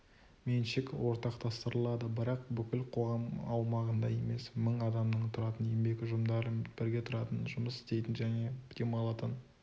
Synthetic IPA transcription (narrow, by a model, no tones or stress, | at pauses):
menʃɪkwo̞ɾt̪ɑqt̪ʰɑst̪əɾəlˠɑd̪əbɪɾɑq̚bʏkʲɪlqʰo̞ʁɑmɑwmɑʁənd̪ɑje̞̰me̞sməɴɑd̪ɑmnəɴt̪ʰʊɾɑt̪ənjembe̞kʲʊʒʊmd̪ɑɾəb̥ɪɾɡʲe̞t̪ʰʊɾɑt̪ənʒʊməsɪ̥st̪e̞jt̪ɪnʒæne̞d̪̥e̞mɑlˠɑt̪ən